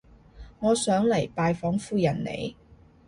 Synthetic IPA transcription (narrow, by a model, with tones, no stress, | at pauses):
ŋɔː˨˧sœː˨˥ŋlɐ˨˩jpaː˨˧jfɔː˨˥ŋfuː˧jɐ˨˩nnḛ˨˧j